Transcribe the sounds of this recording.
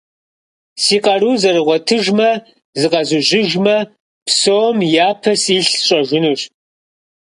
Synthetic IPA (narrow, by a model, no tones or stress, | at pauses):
siːqʼɐruːzɐrɨʁʷɔtʰɨʒmɐ | zɨqɐzɨʒɪʒmɐ | psowmjaːpʰɐsiːɬɕʼɐʒʷɪnɨr